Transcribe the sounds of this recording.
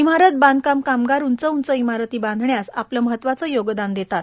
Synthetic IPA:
im̤aɾət̪̚bãnd̪kamkamɡaɾunt͡səunt͡səimaɾət̪iːbãnd̪ʱɳjasa̰pləməɦət̪ːʋat͡səːjoɡd̪and̪et̪at̪

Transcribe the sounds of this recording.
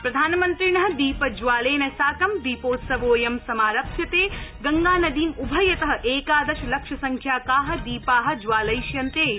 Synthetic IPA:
pɾɐd̪ʱaːnɐmɐnt̪ɾiɳɐɦɐ̆d̪iːpɐd͡ʒʋaːleːnɐsaːkɐmd̪iːpoːt̪sɐʋoːjɐmsɐmaːɾɐpʃʰjɐt̪eːɡɐŋɡaːnɐd̪iːmubʱɐjɐt̪ɐɦɐ̆ʔeːkaːd̪ɐʃɐlɐkʃɐsɐŋkʰjaːkaːɦɐ̆d̪iːpaːɦɐ̆d͡ʒʋaːlɐjʃjɐnt̪eː

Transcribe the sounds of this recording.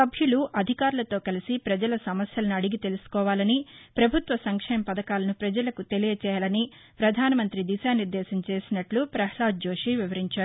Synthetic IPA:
ɐbʱjuluʔɐd̪ʱikaːɾulɐt̪o̞ːkɐlisipɾɐd͡ʒɐlɐsɐmɐsjɐlɐnuɐɽiɡit̪e̞lusu̥kɔːʋaːlɐnipɾɐbʱut̪ʋɐsɐŋkʂɛːmɐpɐd̪ɐkaːlɐnupɾɐd͡ʒɐlɐkut̪e̞lijɐt͡ʃɛːjɐlɐni | pɾɐd̪ʱaːnɐmɐnt̪ɾid̪iʃaːniɾd̪ɛːsɐmt͡ʃe̞ːsinɐʈlupɾɐɦlaːd͡ʒo̞ːʂiʋiʋɐɾiɲt͡ʃaːɾu

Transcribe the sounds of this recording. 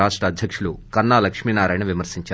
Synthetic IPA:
aːʂʈɾɐːd̪ʱjɐkʂulukɐnːaːlɐkʂmiːnaːɾaːjnɐʋimɐɾsiɲt͡ʃaː

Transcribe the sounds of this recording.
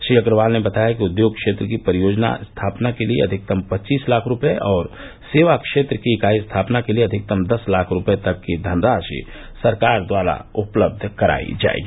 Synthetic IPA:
ʃɾiːɐkɾəʋaːlnebɐt̪aːjakiʊd̪joːɡ̚kʃeːt̪ɾəkipəɾɪjoːd͡ʒna̰st̪ʰaːpnakeliḛɐ̰d̪ʱɪk̚t̪əmpɐtːt͡ʃiːslaːkʰɾʊpeʔɔːɾ | seːʋakʃeːt̪ɾəkiːkaːist̪ʰaːpnakelieɐd̪ʱɪk̚t̪əmd̪ɐslaːkʰɾʊpet̪ɐkːid̪ʱənɾaːʃḭ | sɐɾkaːɾd̪ʋaːɾa̰ʊpləb̚d̪ʱkɐɾa̰ːḭd͡ʒa̰ːḛːɡiː

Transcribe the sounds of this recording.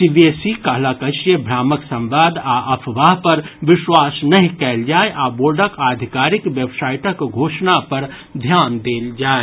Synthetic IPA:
siʋesikaɦlaːkəʃjəbʱɾaːməksɐ̃mʋaːd̪aʔɐpʰʋaːɦpɐɾʋɪʃwaːsnɐɦĩkɛːld͡ʒaːeʔaːboːɾɖəkaːd̪ʱɪkaːɾɪkʋjəbsaːɪʈəkɡʱoːʃnapɐɾ | d̪ʱjaːnd̪eːld͡ʒaːe

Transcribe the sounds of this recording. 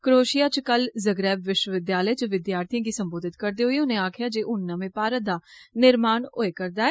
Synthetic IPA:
kɾoːʃijaːt͡ʃkəlzəɡɾɛːbʋɪʃwəʋɪd̪jaːləeːt͡ʃʋɪd̪jaːɾt̪ʰijãːkiːsəmboːd̪ɪt̪kəɾd̪eːɦʊiːʊnẽːaːkʰɪjaːd͡ʒeːʔʊnːãːʋẽːpaːɾət̪̚d̪aːnɪɾmaːɳoːeːkəɾd̪aːɛː

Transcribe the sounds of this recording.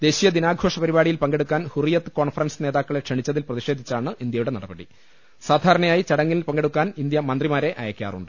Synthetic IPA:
d̪̥e̞ːɕijɐd̪inaːɡʱo̞ːʂɐpɐɾiβaːɽijilpɐŋɡe̞ɽukːaːnhurijɐt̪ːɨ̥koːɳfɐrɐnsɨneːðaːkːɐɭe̞kʂeɳit͡ɕːɐðilprɐðiʂe̞ːd̪ʱit͡ɕːaːɳɨind̪jɐjuɽe̞nɐɽɐbɐɽi | saːd̪ʱaːɾɐɳɐjaːjit͡ɕɐɽɐŋːililpɐŋɡe̞ɽukːaːnind̪jɐmɐnd̪rimaːɾe̞ʔɐ̰jɐkːija̰ːrṵɳɖɨ

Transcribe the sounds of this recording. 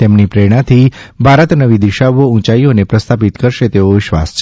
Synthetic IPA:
t̪emnipɾeɽ̃at̪ʰi | bʱaɾət̪nəʋid̪iʃaʋoũt͡ʃaionepɾəst̪ʰapit̪kəɾʃet̪eoʋɪʃʋa̰st͡ʃʰ

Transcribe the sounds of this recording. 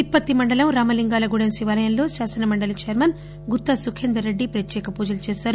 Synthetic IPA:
ipːɐt̪ːimɐɳɖɐlɐmɾaːmɐliŋɡaːlɐɡuɽɐnsiʋɐːlɐjɐnlo̞ːsaːsɐnɐmɐɳɖɐlɐt͡ʃejɐɾmɐn | ɡut̪ːɐsukʰeːnd̪ɾɐɾeɖːipɾɐt̪jɛːkɐpuːd͡ʒɐlɐt͡ʃeːsaːɾu

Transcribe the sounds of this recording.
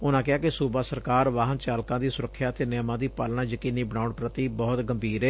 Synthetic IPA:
ʊnãːkɪaːkɪsuːbaːsəɾkaːɾʋaːɦənt͡ʃaːlkãːd̪iːsʊɾəkʰːjaːt̪eːnɛːmãːd̪iːpəlnaːjəkiːniːbəɽ̃aːʊɳpɾət̪iːbɔːt̪ɡəmbʱiːɾɛː

